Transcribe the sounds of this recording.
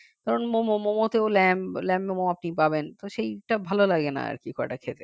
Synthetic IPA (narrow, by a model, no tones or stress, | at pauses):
kaɾonmomomomot̪eolɛmlɛmemoap̚nipabent̪oʃejʈabʱalolaɡena̰a̰ɾkikʰɔɾḛʈakʰet̪e